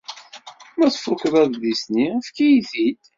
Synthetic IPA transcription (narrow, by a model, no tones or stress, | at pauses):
mæθfukɾæððisniəfkijiθit̪